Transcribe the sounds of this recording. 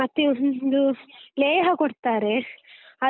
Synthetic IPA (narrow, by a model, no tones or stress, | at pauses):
ɐt̪ːeonnd̪uleːɦɐkoɽt̪aːɾe̞ɐ